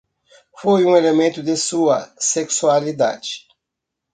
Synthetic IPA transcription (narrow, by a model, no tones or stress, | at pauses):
fojũelemẽnt̪ʊd̪ɪsuɐseksualid̪a̰d͡ʒɪ